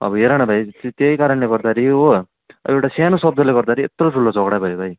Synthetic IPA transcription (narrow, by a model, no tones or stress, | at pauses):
ʌ̰bʌɦeɾaɽ̃ʌbʱajt̪t̪ejkaɾʌnleɡʌɾd̪aɾio̰ | ewʈasanʌsʌbd̪ʌleɡʌɾd̪aɾiet̪roʈʰulːot͡sʌɡɽabʱʌjobʱaj